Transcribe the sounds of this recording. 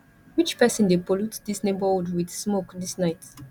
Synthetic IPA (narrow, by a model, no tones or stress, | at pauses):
wit͡ʃpɛsɔ̃ndepolutdisnebədwidsmokdisnaɪt